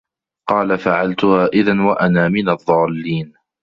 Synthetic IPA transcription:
qɑːlafaʕalt̪ʊhaːʔɪðanwaʔanaːmɪnɑðˤːɑːlːiːn

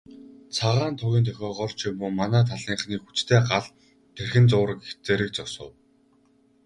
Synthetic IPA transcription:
t͡sʰaʁaːnt̪ʰʊɣʲiːnt̪ʰœxʲɔːʁɔɮt͡ɕimʊːmanæːt̪ʰaɮiːɴχniːkxut͡ɕt̪ʰeːɢaɮ | t̪ʰerxɘ̆nt͡sʊːɾə̆ket͡seːɾɘ̆k̚t͡sɔsə̰̆w

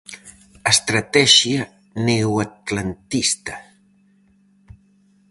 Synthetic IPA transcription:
əst̪ɾat̪ɛʃia | newat̪lant̪ist̪a

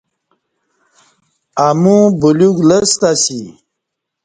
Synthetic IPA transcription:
amũbuluɡləst̪asi

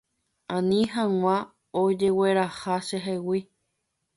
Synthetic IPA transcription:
ãnĩɦãw̃ã | od͡ʒeweɾahaʃeɦewi

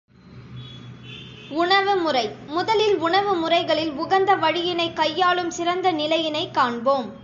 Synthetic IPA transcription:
ʊɳɐʋɯmʊrɐɪmʊðɐlɪlʊɳɐʋɯmʊrɐɪɣɐɭɪlʊɣɐnd̪ɐʋɐɻɪjɪnɐɪkːɐjːaːɭɯmsɪɾɐnd̪ɐnɪlɐjɪnɐɪkːaːɳboːm

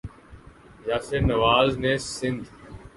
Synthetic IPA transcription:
d͡ʒaːseːnəʋaːzneːsɪ̃nd̪ʱ

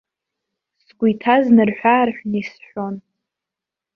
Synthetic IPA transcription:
skʷʊjtʰaznɨrħʷᶣarħʷᶣnisħʷᶣon

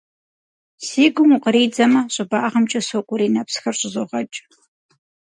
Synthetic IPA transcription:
siːɡʷʊmʊqəɾiːd͡zɐmɐɕʼɪbaːʁɐmt͡ʃʼɐsokʷʼʊɾiːnɐpsxɐrɕʼɪzoʁɐt͡ʃʼ

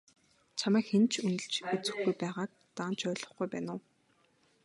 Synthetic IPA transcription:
t͡ɕʰamæːkxent͡ɕʰunɘ̆ɬt͡ɕut͡sɘ̆xɡujpæːʁaːk̚t̪aːnt͡ɕʰœːɮɞ̆χɡujpæːnʊː

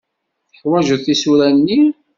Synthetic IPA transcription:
θəħwæʒuðθisuɾænːi

